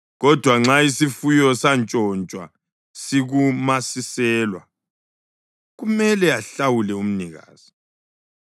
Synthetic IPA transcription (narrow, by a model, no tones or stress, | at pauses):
ɣɔd̥ʱwaŋ͡ǁaisifujɔsant͡ʃʼɔnt͡ʃʼwa̰ | siɣumasisɛːlwa̰ | ɣumɛlɛaɬawulɛum̩niɣa̰ːz̥i